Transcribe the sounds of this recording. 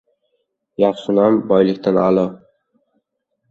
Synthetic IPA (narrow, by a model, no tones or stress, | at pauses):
jɑχʃɪnambɒjlɪkʲt̪ʰanalˠɒ